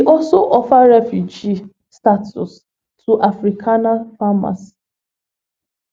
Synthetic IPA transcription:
wiʔɔlsoʔɔfaɹɛfjud͡ʒi | statʰṵs | tʰuʔafɾikʰanafama̰s

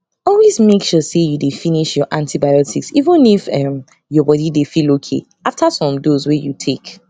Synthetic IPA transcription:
ɔlwezmekʃɔsejudefiniʃjɔʔãntʰibajɔtʰiksivə̃nifɛ̃m | jɔbɔdidefilokʰḛ | aftasɔ̃mdozwejutʰek

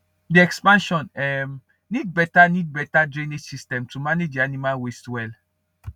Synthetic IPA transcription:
diɛkspãnʃɔ̃nɛm | nid̚bɛtanid̚bɛtadɹẽnesistɛ̃mtʰumaned͡ʒdianimalwestwɛl

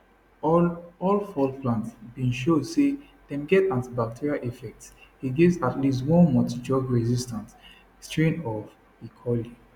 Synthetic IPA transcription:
ɔlfɔlplãntsbĩnʃodse | d̥ɛ̃mɡɛtãntibak̚tʰiɹialʔifɛk̚tshiɡivsatlis̬twɔ̃nmɔtid͡ʒɔɡɹɛzistãnt | stɹẽnɔv | ikʰɔli

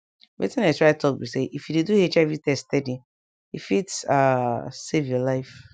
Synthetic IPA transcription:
wḛtĩnatɹaɪtʰɔk̚biseʔifjudeduhet͡ʃaɪvitɛstɛdi | ifitsasevjɔlaɪf

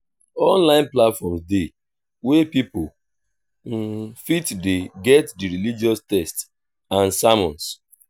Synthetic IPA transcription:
ɔ̃nlãɪ̃nplatfɔmsde | wepipol̩ | fitdeɡɛtdiɾilid͡ʒiɔstɛsts | ãnsamɔ̃ns

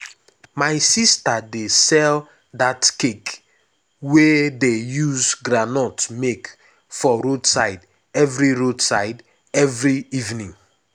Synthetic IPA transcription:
maɪsistadesɛl | datkek | wedejuzɡɹanɔtmek | fɔɾodsaɪd | ɛvɹiɹodsaɪd | ɛvɹiivnĩŋ

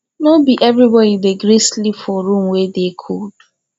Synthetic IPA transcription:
nobiʔɛvɹibɔdideɡɾeslipfɔɹũmwɛdekʰud̥

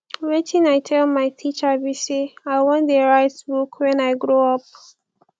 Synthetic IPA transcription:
ɹɛtĩnaɪtʰɛlmaɪtʰit͡ʃəbiseaɪwɔ̃ndəɹaɪtsbukwɛ̃naɪjɡɹoɔp̚

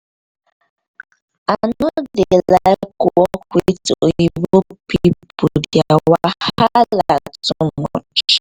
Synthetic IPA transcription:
anɔdelakuɔkʷwitoibopipudjawahhalatumɔ̰t͡ʃ

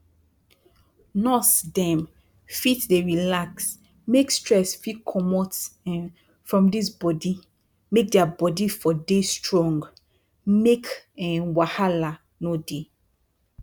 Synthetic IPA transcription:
nɔsdɛ̃m | fitdeɹilaks | mekstɹɛsfitkʰɔmɔtɛ̃n | fɹɔ̃mdisbɔdi | mek̚dɛabɔdifɔdestɹɔ̃ŋɡ | mekɛ̃nwahala | node

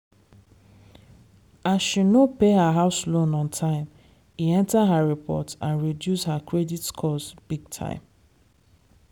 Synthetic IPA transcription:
asʃinopeɦaɦaʊslõnɔ̃ntʰãɪ̃m | hiɛ̃ntaɦaɹipʰɔ̰tãnɹidjushakɹɛditkʰɔsb̥iɡ̚tʰã̰ɪ̃m

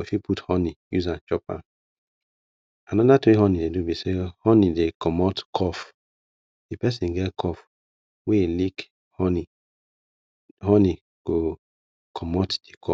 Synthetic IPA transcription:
ofipʰuthɔnijuzãnt͡ʃɔpã̰n | anɔdatwĩhɔnidedubisehɔnidekʰɔmɔtkʰɔf | epɛsĩnɡɛtkʰɔf | welik | hɔni | hɔni | ɡ̥o | kʰɔmɔtd̥ikʰɔ

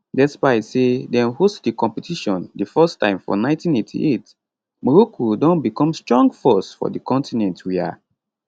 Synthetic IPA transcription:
dɛtspaɪsedɛ̃nhostdikɔ̃mpɛtʰiʃɔ̃ndifɜstã̰ɪ̃mfɔ̰nãɪ̃ntĩnetʰḭʔet | mɔɹokʰodɔ̃nbikʰɔ̃mstɹɔ̃ŋɡfɔsfɔ̰dikɔ̃ntinɛ̃ntʰwia̰

